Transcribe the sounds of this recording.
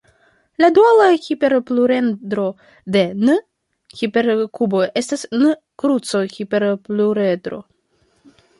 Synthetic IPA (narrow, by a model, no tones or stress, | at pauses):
ladualaxipe̞ɾpluɾe̞nd̪ɾo̞ | de̞n | xipe̞ɾkubo̞e̞stasn | kɾut͡soxipe̞ɾpluɾedɾo̞̰